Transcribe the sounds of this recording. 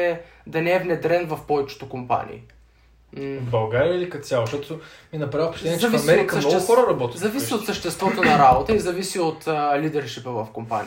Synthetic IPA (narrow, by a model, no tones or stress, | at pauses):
ɛd̪ɐnɛɛvnɛd̪ɾɛnvɐfpɔvɛt͡ʃɪ̥t̪okompa̰nḭː | bɐlˠɡaɾijəilikɐt̪sjalˠoʃt̪ɔt̪ominɐpɾavəfpoʃt̪ɛiɛzt͡ʃ̪ɐvismɛɾit̪kɐmsʃnɔʊxɔɾəɾɐbɔt̪izɐvisiot̪səʃt̪ɛst̪vɔt̪onɐɾabot̪əizɐvisiot̪lid̪ɛɾʃipəvɐfkompa̰nʲi